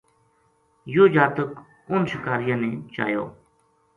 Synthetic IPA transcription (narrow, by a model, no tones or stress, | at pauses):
joːd͡ʒaːt̪ək | ʊnsɪkaːɾɪjãːnẽːt͡ʃa̰ːjo̰ː